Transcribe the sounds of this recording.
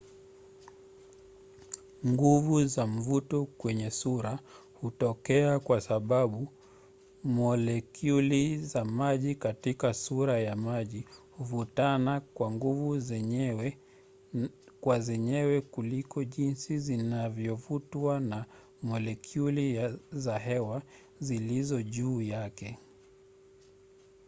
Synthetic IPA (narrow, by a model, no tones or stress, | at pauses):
ŋɡuvuzam̩vutɔkwɛɲɛsuɾa | hutɔkɛakwasaɓaɓu | mɔlɛkjulizamaʄikatikasuɾajamaʄihuvutanakwaŋɡuvu | kwazɛɲɛwɛkulikɔʄinsizinavjɔvutana | mɔlɛkʰjulizaɦɛwa | zilizɔʄuːjakɛ